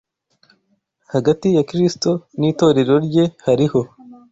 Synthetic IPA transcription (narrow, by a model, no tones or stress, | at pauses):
haɡatijakɾist̪o̞niːt̪o̞ːɾeɾoɾje̞haɾiho̞